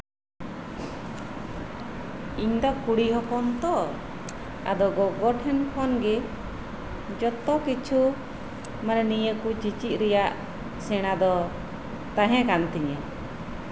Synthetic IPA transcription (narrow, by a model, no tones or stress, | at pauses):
iɲd̪ɔkuɽiɦɔpɔnt̪ɔ | a̰d̪ɔɡɔɡɔɖɦɛnkʰɔnɡɛ | d͡ʒɔt̪ɔkit͡ʃʰu | manɛnijəkut͡ʃit͡ʃit̪̚ˀɾɛjaʔ | sɛɽ̃ad̪ɔ | t̪aɦɛ̃kant̪iɲɛ